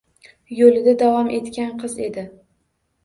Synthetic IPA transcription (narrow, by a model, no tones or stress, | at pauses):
jolɪd̪ad̪avɒmʔe̞t̪kʲanqʰɨze̞d̪ɪ